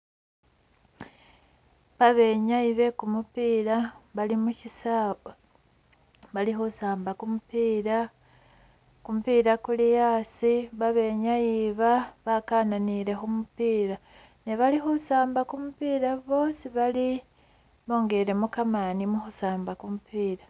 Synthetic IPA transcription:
βaβe̞ɲaiβe̞kumupiːɾaβalimucisaːβa | βalixusaːmbakumupiːɾa | kumupiːɾakulijaːsiβaβe̞ɲaiβaβakaːnaniɾe̞xumupiːɾa | neβalixusaːmbakumupiːɾaβo̞siβali | βo̞ːŋɡeɾe̞mukamanimuxusaːmbakumupiːɾa

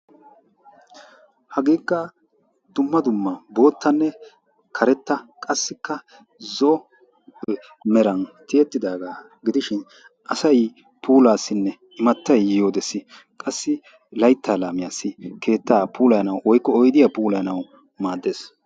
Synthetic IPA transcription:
hɐɡiːkːɐ | d̪̥ʊmːɐd̪ʊmːɐbo̞ːt̪ːɐnːɛ | kʰɐɾɛt̪ːɐkʼɐsːɪkːɐ | zɔ | ɛ | mɛɾɐnt̪ɪɛt̪ːɪd̪aːɡaː | ɡɪd̪ɪʃɪn | ʔɐsɐj | pʰuːlaːsːɪnːɛ | ɪmɐt̪ːɐjjo̞ːd̪ɛsːɪ | kʼɐsːɪ | lɐjt̪ːaːlaːmɪjaːsːɪkʰe̞ːt̪ːaːpuːlɐjɐnɐwwɔjkːɔɔjd̪ɪjaːpuːlɐjnɐw | maːd̪ːe̞ːs

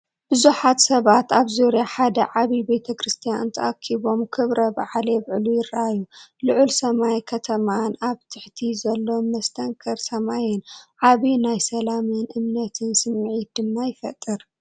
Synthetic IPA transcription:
b̥ɨzuħat̪sɐβat̪aβzuɾjaħad̪ɐʕaβibe̞t̪ʰɐkɾɨst̪ʰijant̪ʰɐ̰ʔakʰiβo̞mkʰɨβɾɐba̰ʕlɛβʕlujɪɾaajulɨʕʊlsɐmajkʰɐt̪ʰɐmanaβt̪ʰɨħt̪ʰizɐlːomːɐst̪ʰɐŋkʰɐɾsɐmajɪnʕaβinajsɐlamɨnʔɨmnɐt̪ʰɨnsɨmːʕit̪̚d̪ɨmːajɪfɐ̰t̪ʼːɨɾ

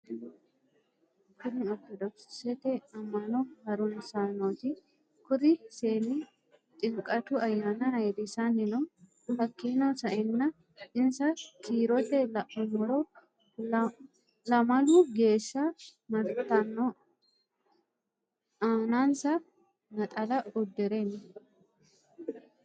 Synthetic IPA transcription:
kʊnɪɔktːɔd̪ɔksɪ̥sɛt̪ɛɐmːɐnɔhɐɾʊnsanot̪ɪ | kʊɾɪseːnɪ | t̪ʼɪŋkʼːɐt̪ʊɐjːaːnɐhɐjd̪ɪsɐnɪnɔ | hɐkːinɐsɐʔɛnːɐ | ɪnsɐkʰiːɾɔt̪ɛlɐmɔɾɔ | lɐmɐluɡe̞ːʃːɐmɐɾt̪ɐnːɔ | aːnaːnsɐ | nɐt̪ʼɐlɐʊd̪ːɪɾeːnːɐ

